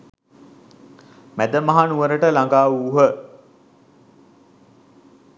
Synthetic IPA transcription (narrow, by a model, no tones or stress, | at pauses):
mæd̪əmaɦanuʋəɾəʈəlaŋɡaːuːɦə